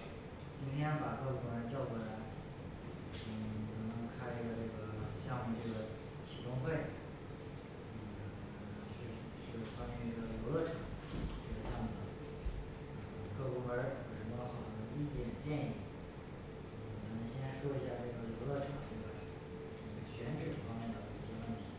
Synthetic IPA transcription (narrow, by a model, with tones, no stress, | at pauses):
t͡ɕi˥nt̪ʰjɛ˥npa˨˩kɤ˥˩kʊ˥ŋə˧t͡ɕjɑ˥˩ʊku˧˩la˧˥ɪ | n̩˥˩t͡sə˨˩ŋnə˧˥ŋkʰa˥ɪʈ͡ʂə˥˩ɡə˧ʈ͡ʂɤ˥˩ɡə˩ɕjɑ˥˧mu˧˩ʈ͡ʂɤ˥˩ɡə˩ | t͡ɕʰi˨˩t̪ʊ˥ŋfe˥˩ɪ˥˩˥ | ɕ | ɕy˥˩˧xwa˥t͡ɕʰi˥˧ʈ͡ʂi˥˩ɡə˩jo˧˥ʊlɔ˥˩ʈ͡ʂʰɑ˨˩˦ŋʈ͡ʂə˥˩ɡə˩ɕjɑ˥˧mu˨˩ə˧˥ | ə˧˩ | kɤ˥˧kɔ˥wə˧˥˧o˧˩ʂɻ̩˧˥˩ɔ˥xɑ˨˩ʊd̪ə˧˥˩ɡi˥˧t͡ɕjɛ˥˩t͡ɕjɛ˥˧ni˥˩ | n̩˥˩˥t͡sa˨˥nə˧˥ŋɕɛ˥na˥˧ʂwɔ˥˧i˧˥ɕja˥˧˩ʈ͡ʂɤ˥˩ɡə˩jo˧˥ʊlɔ˥˩ʈ͡ʂʰɑ˨˩˦ŋʈ͡ʂɤ˥˩ɡə˩ | ə˥˩ɡə˩ɕɥɛ˧˥nʈ͡ʂ̩˨˩fɑ˥ŋmjɛ˥˩nd̪ə˨˩˧i˥˩ɕjɛ˥wə˥˩nt̪ʰi̥˧˥